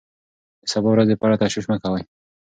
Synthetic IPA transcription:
d̪əsabawɾazd̪əpɑɾat̪aʃwiʃmakawaj

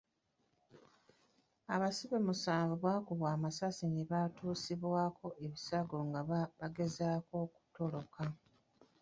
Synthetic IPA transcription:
aβasiβemusaːɱvuβwaːkuβwaːmasasiniβatʰuːsiβwaːkʰo̞ʔe̞βisaɡo̞ŋɡaβaɡe̞zaːko̞ːku̥to̞lo̞kʰa

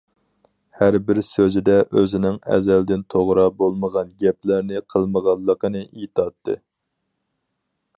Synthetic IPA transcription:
hæɾbɪɾsøzɪd̪ɛʔøzɪnɪŋɛ̰zɛld̪ɪnt̪ʰoʁɾɑbolˠməʁɑnɡʲɛp̚læɾnɪqʰəlˠməʁɑlˠːəqənɨʔijt̪ʰɑt̪ʰːɨ̰

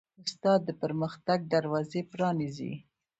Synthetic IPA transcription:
ʊst̪ɑd̪ːəpəɾməxt̪aɡ̚d̪aɾwɑzepɾɑnizḭ

